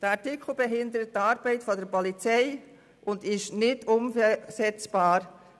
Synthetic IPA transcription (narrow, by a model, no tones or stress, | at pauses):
d̥əɑtɪkʰl̩ˠbɛɦɪndəɾət̚ːɑːɾb̥ɛɪtfɔdəɾpɔlit͡sɛɪ | ʔʊndɪʃnɪdʊmsɛt͡sb̥ɑːɾ